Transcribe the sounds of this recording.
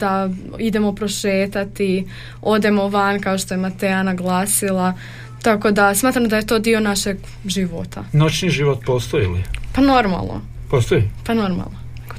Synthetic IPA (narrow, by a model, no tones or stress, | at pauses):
d̪̥a | id̪e̞mopɾoʃeːt̪at̪i | o̞d̪e̞mo̞ʋankaoʃt̪o̞jemat̪eanaɡlˠaːsilˠa | t̪ako̞d̪asmaːt̪ɾamod̪aje̞t̪od̪io̞naʃeɡ | ʒiʋo̰t̪ʰa̰not͡ʃniʒiʋot̪̚poːst̪ojiilipano̞ɾma̰lˠnʔo̰ | poːst̪oipano̞ɾma̰lˠnoko